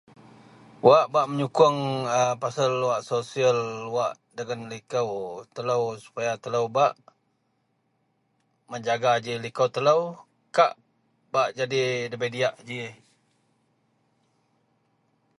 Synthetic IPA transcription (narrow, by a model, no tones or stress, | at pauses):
waʔbaʔməɲukʊŋəpasəlːuwaʔsosiəlːwaʔ | dəŋanlikəwt̪ələwsu̥pajat̪ələwbaʔ | məɲd͡ʒaɡad͡ʒilikəwt̪ələw | kaʔ | baʔd͡ʒadidəbediaʔd͡ʒi